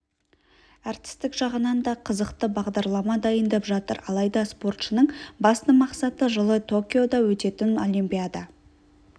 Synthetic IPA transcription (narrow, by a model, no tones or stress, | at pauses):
ɑɾt̪ɪ̥st̪ɪkʒɑʁənɑnd̪ɑqʰəzəqt̪əbɑʁd̪ɑɾlˠɑmɑd̪ɑjənd̪ɑpʒɑt̪ə̰ɾɑ̰lˠɑjd̪ɑspo̞rt̪ʃənəɴbɑst̪əmɑqsɑt̪əʒəlˠət̪ʰo̞kʲijo̞d̪ɑwɵt̪e̞t̪ɪno̞lˠimpʲijad̪ɑ